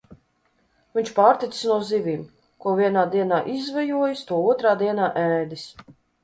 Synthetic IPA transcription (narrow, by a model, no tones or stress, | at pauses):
vʲiɲʲt͡ʃpaːɾt̪it̪ssnuɔzivʲiːm | kuɔvʲiɛnaːd̪iɛnaːʔizvɛjuɔjist̪uɔuɔt̪ɾaːd̪iɛnaːʔɛːd̪is